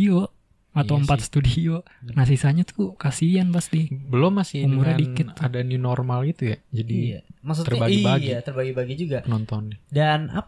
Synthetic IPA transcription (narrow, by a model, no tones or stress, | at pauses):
o | at̪awəmpat̪sə̥t̪udio | nas̬isaɲat̪ʰukasianpast̪ibəlomːasɪumuɾadikɪtadaniunɔrmalɡit̪ujad͡ʒadimasut̪ərbaibaɡiit̪ərbaɡibaɡid͡ʒuɡapənɔnt̪ɔnɛdana̰p